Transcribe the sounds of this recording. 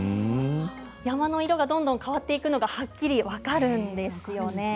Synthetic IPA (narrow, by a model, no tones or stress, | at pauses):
jamano̞iɾo̞ɡad̪õ̞nd̪õ̞ŋkaβat̪ːe̞ikɯ̟no̞ɡahakʲːiɾʲiβakaɾɯ̟̃nd̪e̞sɨjo̞ne̞